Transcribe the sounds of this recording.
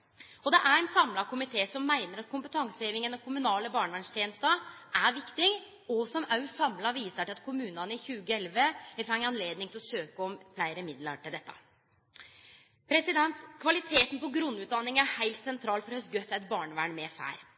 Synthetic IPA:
ɔd̪ɛʔæɾɛnsɑmlɑkʊmɪt̪ʰeːsɔmːæɪnəɾɑt̪̚kʊmpət̪ʰɑŋsəeːʋɪŋənɑkʰʊmʉnɑːləbɑːɳəʋæːɳʂt̪ʰjeːnəst̪əʔæɾʋɪkt̪ɪŋ | ɔsɔmɑʉsɑmlɑʋiːsəʈɪlɑt̪kʰʊmʉːnɑnəɪçʉːɡəɛlʋəɪfɑŋɑnleːd̪nɪŋt̪ɪlɔsøːkəɔmflæɪɾəmɪd̪lɑ̰ʈʰɪld̪ɛt̪ːə̰ | pʰɾɛsɪd̪ɛnt̪kʰʋɑlɪt̪ʰeːt̪n̩pɔɡɾʉnːʉːt̪̚d̪ɑnːɪŋənæhæɪlt̪sɛnt̪ʰɾɑːlfɔɾhøsɡœt̪ːæɪt̪̚bɑːɳəʋæɳmeːfæ̰ːɾ

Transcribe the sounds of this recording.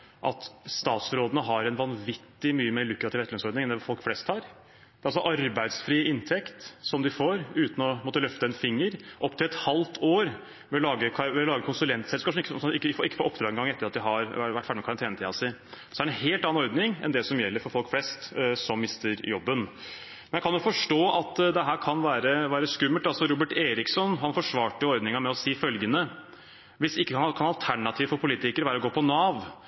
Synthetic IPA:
ʔɑ̰t̪st̪ɑːt̪sɾoːd̪ənəɦɑɾɛnʋɑnʋɪt̪ːɪmyːəmeːɭʉkːɾɑt̪iːʋɛt̪lœnsɔɾd̪nɪŋɛnd̪ɛfɔlkflɛst̪hɑːɾ | d̪̥ɛɑlsɔʔɑɾbæɪd̪sfɾiːɪnt̪ʰɛkt̪sɔmd̪ɪfoːɾʉːt̪n̩ɔmɔt̪əlœft̪əɛnfɪŋːəɾʔɔpːt̪ʰɪlɛt̪hɑlt̪ʰoːɾ | ʋɛlɑːɡəkʰʋɛlɑːɡəkʰʊnsʉlɛnt̪sɛlskɑːpʂɔmɪkːəsɔɪkːəfɪkːəfoːʔɔpːd̪ɾɑːɡɛnɡɑŋːɛt̪ːəɾɑt̪̚d̪ɪɦɑɾʋæʈʰːfæːɖɪmɛkʰɑɾɑnt̪ʰeːnət̪ʰiːɑsɪsɔd̪æɾɛnɦeːlt̪ɑnɑnɔɾd̪nɪŋɛ̰nd̪ɛsɔmjɛlːəɾfɔɾfɔlkflɛst̪sɔmːɪst̪əɾjɔbːən | mɛnjækʰɑnjʊfɔʂʈoːʔɑt̪d̪ɛɦæːɾkʰɑnʋæːɾəʋæːɾəskʉmːəlt̪ɑlsɔɾuːbəʈeːɾɪksɔnɦɑnfɔʂʋɑːʈəjʊɔɾd̪nɪŋəmɛɔsiːfœlɡənə | ʋɪsɪkːəhʰɑnɑkʰɑnɑlt̪ʰæɳɑt̪ʰiːʋfɔɾpʰʊliːt̪ɪkəɾʋæːɾɔɡoːpʰɔnɑːʋ

